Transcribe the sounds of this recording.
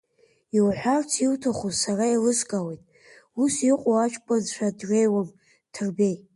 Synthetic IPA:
iwħʷᶣart͡sʰiwtʰaχuzsarailɨzkʼawejtʼ | usiqʼoat͡ʃʷʰʼpʰʼazʃʷʰᶣadrejwam | tʰɨrbe̞j

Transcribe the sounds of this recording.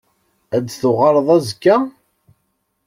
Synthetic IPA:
æd̪θʊʁɑɾˤðˤæzkːæ

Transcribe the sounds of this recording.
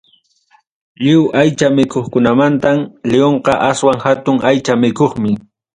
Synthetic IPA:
ʎɪwʔajt͡ʃamɪkoχkʊnamant̪amlɪoɴqɑʔaswaŋhat̪ʊŋajt͡ʃamɪkoχmɪ

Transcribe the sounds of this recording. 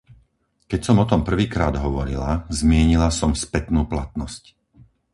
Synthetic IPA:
kɛcsɔmɔt̪ɔmpr̩ʋiːkɾaːd̪ɦɔʋɔɾilazmɪɛɲilasɔmspɛt̪nuːplat̪nɔsc

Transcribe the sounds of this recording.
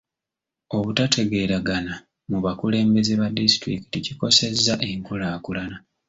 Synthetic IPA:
o̞βutatʰe̞ɡe̞ːɾaɡana | muβakule̞ːmbe̞zeβadisi̥tɾiki̥ticiko̞se̞zːaʔe̞ŋkulaːkulana

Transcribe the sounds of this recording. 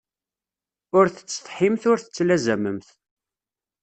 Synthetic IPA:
ʊɾθə̥t͡sːθħimθʊɾθə̥t͡sːlæzæməmθ

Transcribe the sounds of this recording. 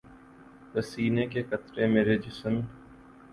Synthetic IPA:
ɾəsiːnekekət̪ɾemeːɾed͡ʒɪsəm

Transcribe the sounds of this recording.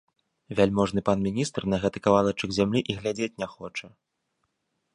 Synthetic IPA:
vʲalʲmɔʐnɨpanmʲinʲist̪rnɐɣɛt̪ɨkavalˠɐt͡ʂɨɡzʲamlʲiʔiɣlʲad͡zʲet͡sʲnʲɛxɔt͡ʂɐ

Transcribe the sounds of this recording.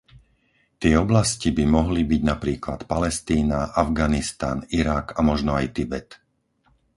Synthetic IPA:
t̪ɪɛɔblascibimɔɦlibiɟnapɾiːklat̪palɛst̪iːnaʔavɡanist̪a̰niɾakamɔʒnɔajt̪ibɛt̪

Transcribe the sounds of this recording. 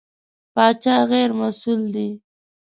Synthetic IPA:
pɑt͡ʃɑɣeɾmasuld̪i

